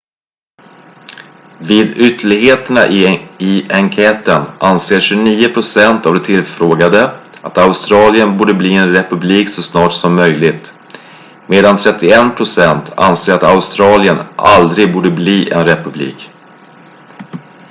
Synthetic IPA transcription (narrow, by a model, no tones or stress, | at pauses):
vɪːd̪ʏt̪ːəɭɪɡheːt̪əɳa̰ʔɪɪaŋkʰɛːt̪ənʔanseːʂɵniːʊpʰɾʊsɛnt̪avd̪ɛt̪ʰɪlfɾoːɡad̪əʔat̪aʊst̪ɾɑːlɪənbuːɖəbliːɛnɾɛpɵbliːksɔsnɑːʈsɔmːœjlɪɡt̪ | meːd̪ant̪ʰɾɛt̪ːɪɛnpʰɾʊsɛnt̪ʰa̰nseːɾat̪aʊst̪ɾɑːlɪəna̰ld̪ɾɪɡ̚buːɖəbliːʔɛ̰nɾɛpɵblḭːk